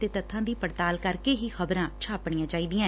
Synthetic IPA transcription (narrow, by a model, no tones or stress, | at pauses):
t̪eːt̪ət̪ʰːãːd̪iːpəɽt̪aːlkəɾkeːɦiːxəbɾãːt͡ʃʰaːpɳ̃ɪjãːt͡ʃaːiːd̪ɪjãː